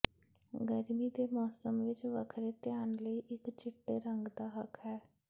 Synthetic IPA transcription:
ɡəɾmiːd̪eːmɔːsəmʋɪt͡ʃʋə̰kʰɾeːt̪ɪjaːnləiːʔɪkt͡ʃɪʈːḛːɾəŋɡd̪aːɦəkʰɦɛː

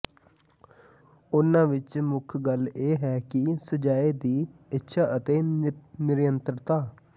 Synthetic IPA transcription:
ʊnãːʋɪt͡ʃmʊkʰɡəleːɦɛːkɪsəd͡ʒaːeːd̪iːɪtːʃʰaːʔət̪eːnɪɾjənt̪ɾt̪aː

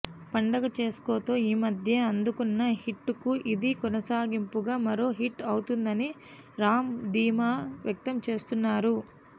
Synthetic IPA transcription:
pɐɳɖɐɡɐt͡ʃe̞ːsko̞ːt̪oːiːmɐd̪ʱjɐɐnd̪ukunːɐhiʈːukuʔid̪ikɔnɐsaːɡimpuɡaːmɐɾo̞ːɦiʈːɐwut̪und̪ɐni | ɾaːmd̪iːmaːʋjɐk̚t̪ɐmt͡ʃe̞ːst̪unːaːɾu

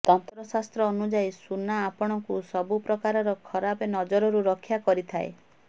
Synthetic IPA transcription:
t̪ɔnt̪ɾɔsast̪ɾɔːnud͡ʒajsunaːpɔɽ̃ɔŋkusɔbupɾɔkaɾɔɾɔkʰɔɾabenɔd͡ʒɔɾɔɾuɾɔkʰːjakɔɾit̪ʰae

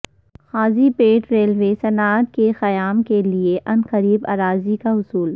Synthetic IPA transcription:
xaːzipeːʈɾeːlʋeːsɐnaːt̪̚kexɐjaːmkelieʔɐnqɐɾiːba̰ːɾaːzikaɦʊsuːl

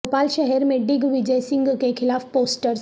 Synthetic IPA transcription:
opaːlʃɛɦɛɾmẽɖɪɡʋɪd͡ʒɛjsɪ̃ŋɡkekʰɪlaːfpoːsʈəɾs

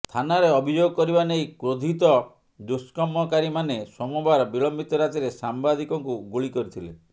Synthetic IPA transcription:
t̪ʰanaɾeɔbʱid͡ʒoɡɔkɔɾibanejkɾod̪ʱit̪ɔ | d̪uskɔmɔkaɾimanesɔmɔbaɾɔbiɭɔmbit̪ɔɾat̪iɾesambad̪ʱikɔŋkuɡuɭikɔɾit̪ʰilḛ

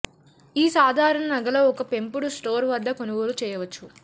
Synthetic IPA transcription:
iːsaːd̪ʱaːɾɐɳɐnɐɡɐlo̞ːɔkɐpe̞mpuɽusʈoːɾʋɐd̪ːɐkonuɡoːlut͡ʃɛːjɐʋɐt͡ʃːu

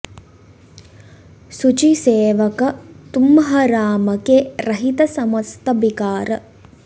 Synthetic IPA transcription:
sut͡ʃiseːʋɐkɐt̪umɐɦɐɾaːmɐkeɾɐɦit̪ɐsɐmɐst̪ɐbikaːɾɐ

